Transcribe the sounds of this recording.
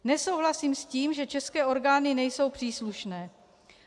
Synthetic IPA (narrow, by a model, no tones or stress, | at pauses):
nɛso̞wɦlasiːmsciːmʒɛt͡ʃɛskɛːo̞ɾɡaːnɪnɛjso̞wpr̝̥iːsluʃnɛː